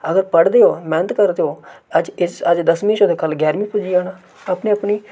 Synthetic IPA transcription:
əɡəɾpəɽd̪eːɦoːmɛːnət̪kəɾd̪eːoːəd͡ʒɪsəd͡ʒd̪əsmĩʃoːd̪eːkəlɡɛːɾmĩːpʊd͡ʒiaːnaː | əpneːəpniː

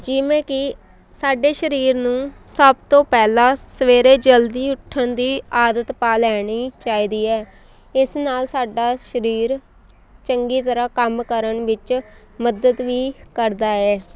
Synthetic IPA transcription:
d͡ʒɪʋẽːkɪ | saːɖeːʃəɾiːɾnũːsəb̚t̪õːpɛːlãːsəʋeːɾeːd͡ʒəld̪iːʊʈʰːəɳd̪iːaːd̪ət̪paːlɛːɽ̃iːt͡ʃaːiːd̪iːɛː | ɪsnaːlsaːɖaːʃəɾiːɾ | t͡ʃəŋɡiːt̪əɾaːkəmkəɾəɳʋɪt͡ʃ | məd̪əd̪ʋiːkəɾd̪aːɛː

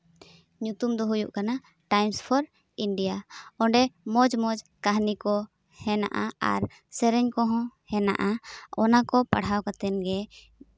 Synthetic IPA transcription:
ɲut̪umd̪ɔɦujṵʔkana | ʈajmspʰɔɾ | iɳɖijaɔ̃ɳɖɛmɔd͡ʒmɔd͡ʒkaɦnikɔ | hɛna̰ʔaa̰ɾ | sɛɾɛɲkɔɦɔ̃hɛna̰ʔaɔnakɔpaɽ̤awkat̪ɛnɡɛ

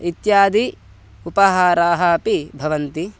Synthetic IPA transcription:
it̪jaːd̪i | upɐɦaːɾaːɦɐɐpibʱɐʋɐnt̪i

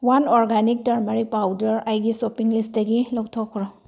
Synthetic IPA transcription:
wanɔɾɡanik̚tɐɾmaɾik̚pawdɐɾajɡisopiŋlisdɐɡilɔwktʰɔkʰːɾɔ

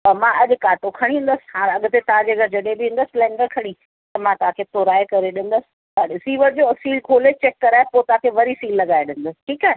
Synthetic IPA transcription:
mãɐʄʊkaːʈokʰɐɽ̃ĩɦũnd̪əsɪ̥̆ɦãːɾɐɠt̪et̪ɐʋãd͡ʑeːɡɐɾd͡ʑɐɗebiɦũn̆d̪əslɛ̃ːɳɖəɾkʰɐɽ̃i | t̪ɐmãt̪ɐʋ̤ãkʰet̪oːɾaːekɐɾeɗɪ̃n̆d̪əsɪ̥̆ | ɐɗɪsiːʋəɾd͡ʑoːsiːlkʰoːlet͡ɕeːkːɐɾaːepot̪ɐãkʰeʋɐɾifiːlːɐɠaːeɗɪ̃n̆d̪əsɪ̥ʈʰiːkaːɦe

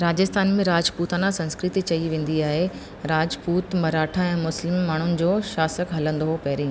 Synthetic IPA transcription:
ɾaːd͡ʑəst̪ʰaːnmẽɾaːd͡ʑpuːt̪anasɐ̃nskɾɪt̪it͡ɕɐiʋẽːn̆d̪iaːɦe | ɾaːd͡ʑpuːt̪mɐɾaːʈʰãɛ̃ːmʊslɪmːaːɳ̤ʊnɪ̆d͡ʑoːʃaːsəkɦɐlə̃nd̪oɦopɛːɾĩː

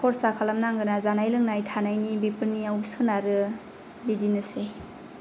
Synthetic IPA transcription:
kʰɔɾsakʰalamnaŋɡɯnazanajlɯŋnajtʰanajnibipɯɾniawsɯnaɾɯ | bidinɯse

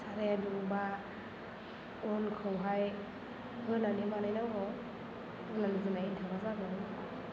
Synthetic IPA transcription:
saɾajaduŋba | ɔnkʰɯwɦaj | hɯnanimanajnaŋɔ | ɯlanɯzɯnaintʰawnazaɡɯ

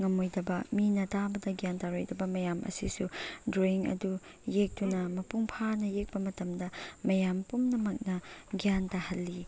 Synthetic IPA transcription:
ŋɐmojdɐbɐminɐtabɐdɐɡijantaɾojdɐbɐmɐjamʔɐ̰sḭsudɾoiŋɐ̰du | jek̚tunɐmɐpuŋpʰanɐjek̚pɐmɐtɐmdɐmɐjampumnɐmɐk̚nɐɡijantahɐlːi

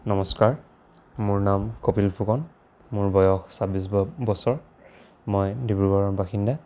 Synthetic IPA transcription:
nɔmɔskaɹ | mʊɹnamkopilpʰukɔn | muɹbɔjɔxsabis̬bɔsɔɹ | mɔjdibuɡɔɹɔmbaxinda

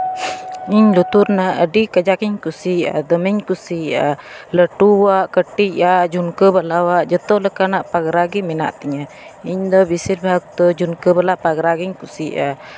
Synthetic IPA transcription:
iɲlut̪uɾnaədikəd͡ʒakiɲkusia̰d̪əmɛɲkusia̰ləʈuwaʔkəʈiad͡ʒunkəbəlawaʔd͡ʒət̪ɔləkanaʔpaɡɾaɡimina̰ʔt̪iɲa | iɲd̪ɔbisit̚bak̚t̪ɔd͡ʒunkəbəlaʔpaɡɾaɡiɲkusiʔa

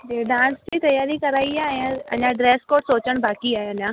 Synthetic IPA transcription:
eɖãst͡ɕiːt̪ɐjaːɾikəɾaːiɛəaə̰njaɖɾeskoːʈsot͡ɕəɳbʱakiɛəna

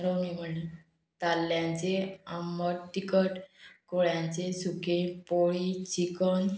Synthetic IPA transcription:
ɾomim̤əɳle | t̪alːjãnt͡seaməɾt̪ikəʈkoɭjãɲt͡sesukẽpoɭit͡ɕikən

